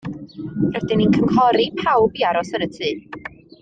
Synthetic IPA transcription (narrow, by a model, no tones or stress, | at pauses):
rɛdɪninkʰəŋkʰɔɾipʰawbiaɾɔsəɾətʰɨː